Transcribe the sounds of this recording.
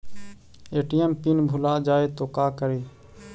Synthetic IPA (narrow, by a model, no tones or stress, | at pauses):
eːʈijɛmpinbʱʊlaːd͡ʒaːeːt̪oːkaːkəɾeː